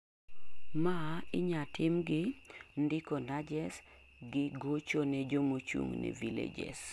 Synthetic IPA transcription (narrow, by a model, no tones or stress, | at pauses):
maɪɲatɪmɡɪndɪkonad͡ʒɛs | ɡɪɡot͡ʃoned͡ʒomot͡ʃṵŋnḛvilḛd͡ʒḛs